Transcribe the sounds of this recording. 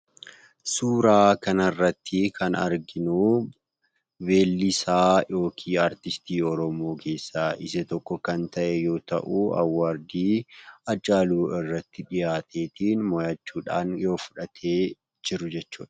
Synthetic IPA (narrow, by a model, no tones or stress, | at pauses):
suːɾaːkɐnɐrːɐt̪ʰːɪkʰɐnɐ̰ɾɡɪnu | be̞ːlːɪsaːjo̞ːkʰiːaːɾt̪ɪst̪iːɔɾɔmo̞ːkʰe̞ːsːaːʔɪsɛt̪ɔkːɔkɐnt̪ɐʔɛjo̞ːt̪ɐ̰ʔuːɐ̰wːaːɾd̪iːɐt͡ʃʼːaːluːʔɪrːɐt̪ːɪᶑɪjaːt̪ʰe̞ːt̪iːnmɔjɐt͡ʃːuːᶑa̰ːnjo̞ːfʊ̥ᶑɐt̪ʰe̞ː | d͡ʒɪɾʊd͡ʒɛt͡ʃːuːᶑɐ̥